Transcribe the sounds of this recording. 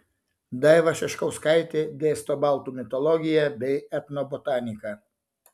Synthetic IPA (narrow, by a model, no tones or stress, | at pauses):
d̪ɐɪʋɐʃʲɛʃkɐʊskɐɪt̪ʲed̪ʲeːst̪ɔbɑˑlˠt̪uːmʲɪt̪ɔlˠɔɡʲɪjɛbʲɛɪɛt̪nɔbɔt̪ɑːnʲɪkɐ